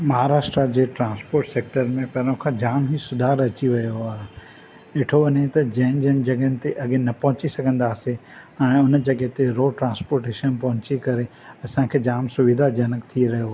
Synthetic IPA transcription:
mɐɦaɾaːʃʈɾad͡ʑeːʈɾãːnspoːɾʈseːk̚ʈəɾmẽpɐɾõkʰãd͡ʑaːmɦisʊd̪ʱaːɾɐt͡ɕiʋɐjoaːɦe | ɪʈʰoʋɐnet̪ɐd͡ʑɐ̃ɦnd͡ʑən̆d͡ʑɐɠɦənɪ̆t̪eʔɐɠenɐpɐ̃ɦʊ̃t͡ɕisɐɡʱə̃nd̪aːseɛ̃ːʊnd͡ʑɐɡet̪eɾoːʈɾãːnspoːɾʈeːʃənpɐ̃ɦʊ̃t͡ɕikɐɾe | ɐsãkʰeːd͡ʑaːmsʊʋid̪ʱad͡ʑɐnəkt̪ʰiɾɐɦijoa

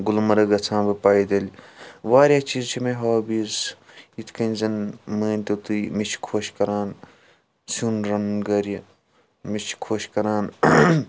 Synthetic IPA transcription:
ɡulmɐɾɐɡɐt͡sʰãːbɐpaːjd̪ɐlʲiʋaːɾʲjaːt͡ʃiːzt͡ʃʰimẽɦoːbiːz | it̪ʰkɐnʲzɐnmɐːnʲt̪ut̪umit͡ʃʰkʰoːʃkɐɾaːn | suːnɾɐnɡɐɾjɐ | mit͡ʃʰkʰoːʃkɐɾaːn

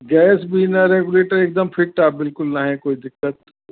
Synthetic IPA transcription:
ɡɛːsbʱinɐɾeːɡʊleːʈəɾeːk̚d̪əmpʰɪʈːaːbɪlkʊlnɐɦɛ̃koːid̪ɪkːət̪̚

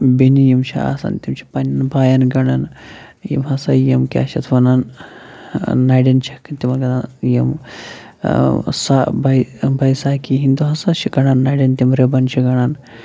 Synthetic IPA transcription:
binijimʃḭa̰sa̰nt̪ʲimt͡ʃʰi̥pɐnʲnbaːjɐnɡɐɽan | jḭmɦɐsajɐmkʲa̰ʃɐt̪ʰʋɐnan | ajɖɐnt͡ʃʰikt̪ʲimɐnɡɐnanjim | sabajbɐjsaːkiɦind̪uɦɐsaʃiɡɐɽanːaːjɖɐnt̪ʲimɾebɐnʃʰiɡɐɳan

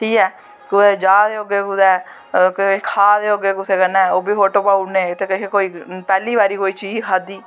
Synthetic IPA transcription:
ʈʰiːkɛː | kʊed͡ʒaːd̪eːoɡeːkʊd̪ɛː | kkʰaːd̪eːoːɡeːkʊseːkənɛ̃ːoːbiːfoːʈoːpaːuneːt̪eːkekekoːiːpɛːliːbaːɾiːkoːiːt͡ʃiːd͡ʒkʰaːd̪iː

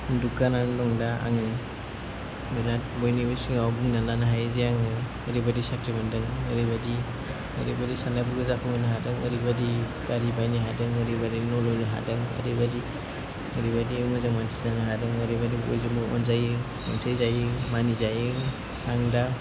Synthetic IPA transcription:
dukanandɔŋdaa̰ŋɯ | bɯnat̚bɔjnibɔjsiŋawabuŋnalanaɦajzijaŋɯ | əɾibadisakɾimandɯŋəɾibadi | əɾibadisandapʰuɡɯzakʰɔŋɯnɯɦadɯŋə̰ɾibadi | kaɾibajniɦadɯŋəɾibadinɔlɔjnɯɦa̰dɯŋə̰ɾibadi | əɾibadiɯmɯzaŋmantʰizanaɦadɯŋəɾibadibɔjzamɔ̰nzaj | ɔnsajzajimanizaji | aŋda

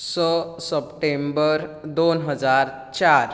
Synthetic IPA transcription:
səsəpʈembəɾd̪onɦəd͡zaɾ | t͡ɕaɾ

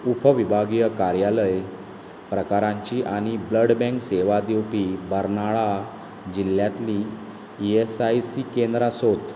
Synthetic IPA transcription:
upʰəʋibʱaɡijəkaɾjaləj | pɾəkaɾãɲt͡ɕiʔaɽ̃ibləɽbɛ̃ŋkseʋad̪iwpibəɾnaɭa | d͡ʑiljat̪liː | esajsikend̪ɾasot̪

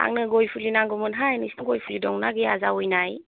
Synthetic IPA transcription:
a̰ŋnɯɡojpʰulinaŋɡɔmɯnɦajnisɯŋɡojpʰulidɔŋnaɡiazaujnaj

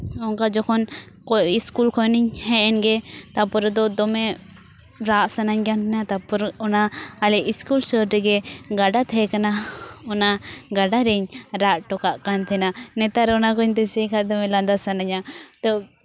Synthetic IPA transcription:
ɔŋkad͡ʒɔkʰɔn | kɔiskulkʰɔjniɲhɛʔɛnɡɛt̪apɔɾd̪ɔd̪ɔmɛ | ɾaʔsanaɲɡant̪ʰɛnat̪apɔɾɔnaːlɛʔiskulsɔɾɾɛɡɛɡaɖat̪ʰɛkanaɔnaɡaɖaɾɛɲɾaʔʈɔkaʔkant̪ʰɛnanɛt̪aɾɛɔnakɔɲt̪ɛsɛkʰaʔd̪ɔmɛland̪asanaɲat̪ɔ

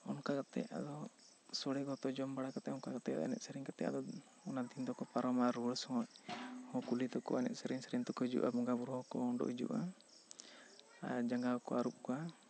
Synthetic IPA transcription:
ɔnkakat̪ɛ̰a̰d̪ɔ | sɔɽɛɡɔt̪ɔd͡ʒɔmbaɽakat̪ɛɔnkakat̪ɛad̪ɔ̰a̰nɛ̰t̪̚sɛɾiŋkat̪ɛ̰ʔa̰d̪ɔ | ɔnad̪ind̪ɔkɔpaɾɔmaɾuɽsɔŋɔc̚hɔ̃kulit̪ɔkɔ̰anɛ̰t̪̚sɛɾiŋsɛɾint̪ɔkɔid͡ʒṵʔa̰bɔŋɡabuɾɔhɔkɔɔɳɖɔ̰ʔid͡ʒṵʔa̰ | ad͡ʒaŋɡakɔ̰aɾup̚kɔa

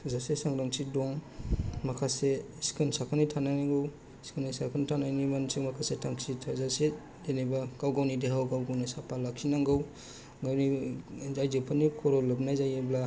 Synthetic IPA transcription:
zasesaŋɾaŋsidɔŋmakʰase | si̥kʰɯnsakʰanitʰananaŋɡɯw | si̥kʰɯnisakʰanitʰanajnimansiŋmakʰasetʰaŋsitʰazase | zenebakawɡawnideɦawɡawɡawnisapalakʰinaŋɡɯw | ɡawnizajzɯpʰanikʰɔɾɔlɯb̚najzajebla

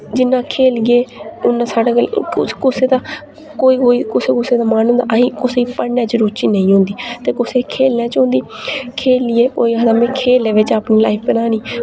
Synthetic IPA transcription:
d͡ʒɪnːãːkʰeːlɡeːʊnːãːsaːɖaːəkʊseːd̪aː | koːiːɦoːiːkʊseːkʊseːd̪aːmaːnɦʊ̃nd̪a̰ːʔəɦĩːkʊseiːpənjãːt͡ʃəɾuːɾt͡ʃiːnəĩːɦʊ̃nd̪iːt̪eːkʊseːkʰeːlnjãːt͡ʃʊ̃ːnd̪iː | kʰeːlɪjeːo̰ːiɦəd̪aːmẽːkʰeːleːʋet͡ʃaːpniːlaːipʰbənaːniː

